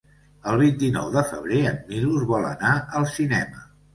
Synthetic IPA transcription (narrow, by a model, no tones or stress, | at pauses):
əlˠβ̞int̪inɔ̰wðəfə̰β̞ɾeənːiluzβɔlˠə̰naəlˠsinɛmə̰